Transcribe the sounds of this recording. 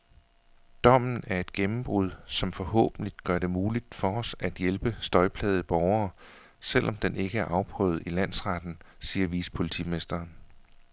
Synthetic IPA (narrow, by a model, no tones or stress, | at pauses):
d̥ɒ̽m̰n̩æɐe̝d̥̚ɡ̥emm̩b̥ʁuð̰ˠsɒ̽mfɒ̽hɔ̰̽ːb̥n̩lid̥ɡ̥ɶɐɾe̝muːlid̥fɒ̽ɒ̽sæd̥jelb̥əsd̥ɒ̽ɪpʰlɛ̰ːð̞̩ˠb̥ɒʊɐː | sel̰ʔɒ̽md̥enʔe̝ɡ̥əæɐʔɑ̈ʊpʰʁœ̰ːð̩ˠilæn̰sʁɑd̥n̩siːɐʋḭːsə̥pʰo̝lit͡sʰḭme̝sd̥ɐːn